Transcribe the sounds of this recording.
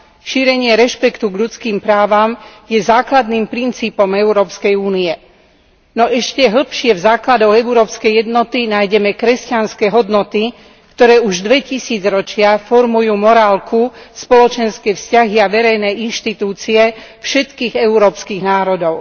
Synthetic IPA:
ʃiːɾɛɲɪɛɾɛʃpɛkt̪uɡʎut͡skiːmpɾaːʋamjɛzaːklad̪niːmpɾint͡siːpɔmɛuɾɔːpskɛjuːniɛ | nɔʔɛʃcɛɦl̩ˠpʃɪɛvzaːklad̪ɔɣɛuɾɔːpskɛjjɛd̪nɔt̪inaːjɟɛmɛkɾɛscanskɛːɦɔd̪nɔt̪i | kt̪ɔɾɛːuʒd̪ʋɛcisiːd͡zɾɔt͡ʃɪafɔɾmujuːmɔɾaːlkʰuspɔlɔt͡ʃɛnskɛːfscaɦiaʋɛɾɛjnɛinʃt̪it̪uːt͡siɛfʃɛt̪kiːɣɛuɾɔːpskiːɣnaːɾɔd̪ɔʊ

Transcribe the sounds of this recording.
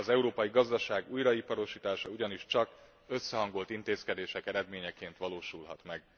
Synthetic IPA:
ɒzɛuɾoːpɒjiɡɒzd̪ɒʃaːɡujɾɒipɒɾo̞ʃiːt̪aːʃɒuɟɒniʃt͡ʃɒk | ø̞sːɛɦɒŋɡo̞lt̪int̪eːskɛd̪eːʃɛkɛɾɛd̪meːɲɛkeːnt̪ʋɒloːʃulɦɒ̰t̪mɛɡ

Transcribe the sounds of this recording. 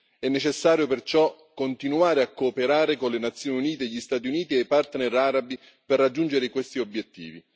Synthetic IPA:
ɛnːet͡ʃesːaːɾjopert͡ʃɔkːont̪inuaːɾeakːoːpeɾaːɾekonlenat̪sːjoːniuniːt̪eʎist̪aːt̪̬iuniːt̪iepart̪nɛɾaɾabi | perːad͡ʒːund͡ʒeɾekwest̪iobjet̪ːḭːvi

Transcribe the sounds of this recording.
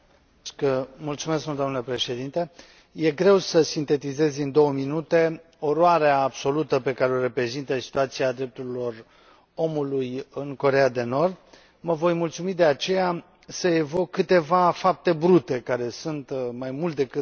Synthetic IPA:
kmult̪sume̞skmuld̪oanləpɾe̞ʃe̞d̪int̪e | je̞ɡɾe̞wsəsint̪e̞t̪ize̞zʲind̪o̞wəminut̪e̞ | o̞ɾoaɾeaːbso̞lut̪əpe̞kaɾeoɾe̞pɾe̞zint̪əsi̥t̪uat̪siad̪ɾe̞p̚t̪uɾilo̞r | o̞mulujɨnko̞ɾe̞ad̪e̞no̞rd̪ | məvo̞jmult̪sumid̪e̞at͡ʃe̞ja | səevo̞kːɨt̪e̞vafap̚t̪e̞bɾut̪e̞kaɾe̞sunt̪majmult̪d̪e̞kɨ

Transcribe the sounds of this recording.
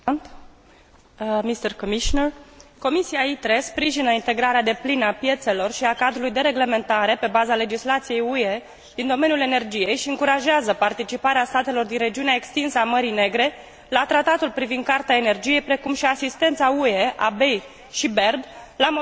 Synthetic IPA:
t̪ | mist̪ərkomiʃonərko̞misiait̪ɾe̞spɾiʒinəint̪e̞ɡɾaɾead̪e̞plinəapje̞t̪se̞lo̞rʃiakad̪ɾulujd̪e̞ɾe̞ɡle̞me̞nt̪aɾe̞pe̞bazale̞d͡ʒislat̪sije̞jue̞ | d̪̥ind̪o̞me̞njule̞ne̞rd͡ʒije̞jʃiɨŋkuɾaʒeazəpart̪it͡ʃipaɾeast̪at̪e̞lo̞rd̪inre̞d͡ʒiuneaekst̪insəaməɾijne̞ɡɾe̞ | lat̪ɾat̪at̪ulpɾivind̪̚kart̪eaene̞rd͡ʒije̞jpɾe̞kumʃiasist̪e̞nt̪saue̞ʔabe̞j | ʃibe̞rbla

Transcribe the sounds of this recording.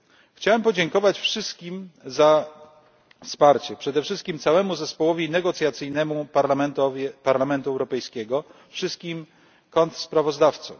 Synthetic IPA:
xt͡ɕawɛmpɔd͡ʑɛŋkɔvat͡ɕfʂɘst̪kʲimza | fspaɾt͡ɕɛpʂɛd̪ɛfʂɘst̪̚kʲimt̪sawɛmuzɛspɔwɔvʲinɛɡɔt̪sʲjat̪sɘjnɛmupaɾlamɛnt̪ɔvʲɛpaɾlamɛnt̪uɛwɾɔpɛjskʲɛɡɔfʂɘst̪̚kʲim | kɔnt̪spɾavɔzd̪aft̪sɔ̰m

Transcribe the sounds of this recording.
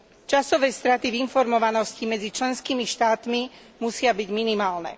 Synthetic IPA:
t͡ʃasɔʋɛːst̪ɾat̪ivinfɔɾmɔʋanɔscimɛd͡zit͡ʃlɛnskiːmiʃt̪aːt̪mi | musɪabiɟminimaːlnɛ̰

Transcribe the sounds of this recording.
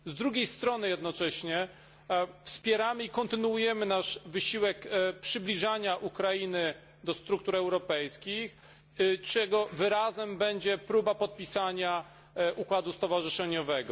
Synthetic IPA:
zd̪ɾuɡʲejst̪ɾɔnɘjɛd̪nɔt͡ʂɛɕɲɛ | fspʲjɛɾamɘikɔnt̪ɘnuujɛmɘnaʂvɘɕiwɛkpʂɘblʲiʐaɲaʔukɾajinɘ | d̪ɔst̪ɾuk̚t̪uɾɛwɾɔpɛjskʲix | t͡ʂɛɡɔvɘɾazɛmbɛɲd͡ʑɛpɾubapɔt̪̚pʲisaɲa | ʔukwad̪ust̪ɔvaʐɘʂɛɲɔvɛɡɔ

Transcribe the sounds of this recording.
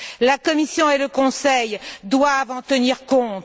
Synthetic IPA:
lakɔmisjɔ̃eləkɔ̃sɛjd̪wavɑ̃t̪əniʁkɔ̃t̪

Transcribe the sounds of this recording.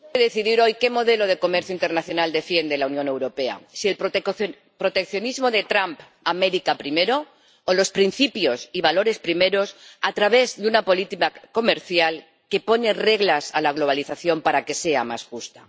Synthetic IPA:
eðeθiðiɾojke̞mo̞ðe̞lo̞ð̞e̞ko̞meɾθjoint̪eɾnaθjo̞nald̪e̞fje̞nd̪e̞launjõne̞wɾo̞pe̞a̰siel | pɾo̞t̪e̞kθjo̞nizmo̞ðe̞t̪ɾamp | ameɾikapɾimeɾo̞ː | lo̞spɾin̟θipjo̞siβ̞alo̞ɾe̞spɾime̞ɾo̞sat̪ɾaβ̞e̞zðeunapo̞lit̪ikako̞me̞ɾθjal | ke̞po̞ne̞re̞ɣlasalaɣ̞lo̞β̞aliθaθjo̞mpaɾake̞se̞a̰ma̰sxust̪a

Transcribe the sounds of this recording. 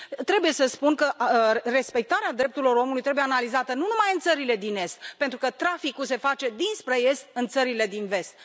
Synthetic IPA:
t̪ɾe̞buje̞səspunkəre̞spe̞k̚t̪aɾead̪ɾe̞p̚t̪uɾilo̞ɾo̞mulujt̪ɾebujeanalizat̪ənunumajɨnt̪səɾile̞d̪ine̞st̪̚pe̞nt̪ɾukət̪ɾafikuls̬e̞fat͡ʃe̞d̪inspɾe̞je̞st̪̚ɨnt̪səɾile̞d̪inve̞st̪

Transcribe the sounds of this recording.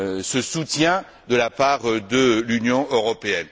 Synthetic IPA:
səsut̪jɛ̃ | d̪əlapaːʁd̪əlynjɔ̃øʁɔpeɛn

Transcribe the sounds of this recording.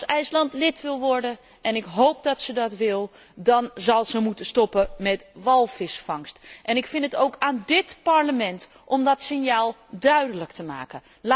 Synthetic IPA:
sɛjslɑntlɪtʋɪlˠʋɔɹdə | ʔɛnɪkɦowp̚dɑtsədɑtʋɪlˠ | dɑnzɑlˠzəmutəstɔpəmɛtʋɑlˠfɪsfɑŋstʔɛnɪkfɪnətowkaːndɪtpaɹləmɛnt | ʔɔmdɔtsɪnjaːlˠdœɥdələktəma̰ːkə | l

